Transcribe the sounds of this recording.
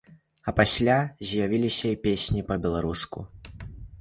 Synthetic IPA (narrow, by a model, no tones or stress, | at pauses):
ɐpasʲlʲazʲjavʲilʲisʲɐipʲesʲnʲipɐbʲɛlˠaɾuskṵ